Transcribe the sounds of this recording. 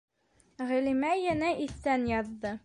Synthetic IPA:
ʁɘ̆limæjænæʔiθːænjɑðːɤ

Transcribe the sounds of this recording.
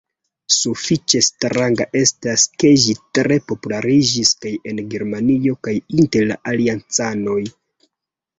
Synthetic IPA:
sufit͡ʃe̞stɾaŋɡaʔe̞staske̞ʒitɾe̞po̞pulaɾid͡ʒiskaje̞nɡe̞ɾmanio̞kajinte̞ɾla̰ʔaliant͡sano̞j

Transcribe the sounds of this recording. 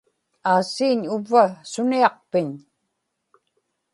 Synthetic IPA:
aːsiːɲʊvːasʊniɑq̚pɪɲ

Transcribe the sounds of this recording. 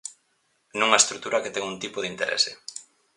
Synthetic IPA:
nũŋɐest̪ɾuk̚t̪uɾɐket̪ɛŋunt̪ipoðint̪eɾʔɛ̰se

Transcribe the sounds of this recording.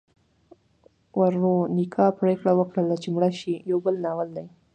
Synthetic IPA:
waɾːonikʰɑpɾekɽawəkɽəlat͡ʃemɽaʃijawbəlnɑwəld̪aj

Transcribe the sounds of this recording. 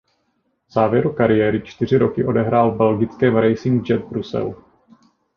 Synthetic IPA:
vz̥aːvjɛɾukaɾɪjɛːɾɪt͡ʃt̪ɪr̝ɪɾo̞kɪʔo̞dɛɦɾaːlbɛlɡɪt͡skɛːmɾɛjsɪŋɡd͡ʒɛt̪̚bɾusɛ̰l

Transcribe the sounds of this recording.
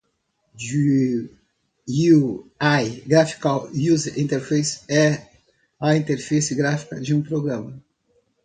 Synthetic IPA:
d͡ʒi | uajɡɾafi̥kawjuzĩnt̪eɾfejsɛ | ɐĩnt̪eɾfisɪɡɾafi̥kɐd͡ʒɪũpɾoɡɾɐ̃mɐ

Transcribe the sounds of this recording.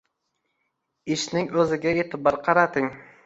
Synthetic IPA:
ɪʃnɪŋɵzɪɡʲaet̪ʰɪbɑɾqʰɑɾat̪ʰɪŋ

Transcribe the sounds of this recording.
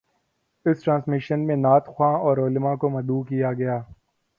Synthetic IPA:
ɪsʈɾãːnsmɪʃənmẽnaːt̪xwãːɔːɾoːlɪmãːkomɐd̪uːkijaɡɐjaː

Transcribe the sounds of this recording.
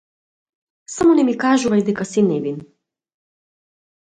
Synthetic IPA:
samonɛmikaːʒuajd̪ɛkasinɛbin

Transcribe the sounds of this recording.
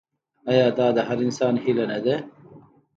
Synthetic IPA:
ɐjɑːd̪ɑːd̪ɐɦɐɾinsaːnɦilɐnɐd̪e

